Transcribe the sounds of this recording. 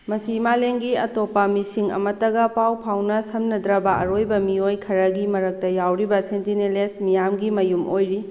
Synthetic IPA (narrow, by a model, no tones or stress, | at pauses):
mɐsimaleŋɡiɐtopɐmisiŋɐ̰mɐtːɐɡɐpawpʰawnɐsɐmnɐdɾɐbɐʔɐ̰ɾojbɐmiojkʰɐɾɐɡimɐɾɐk̚tɐjawɾibɐsentinelesmijamɡimɐjumʔojɾi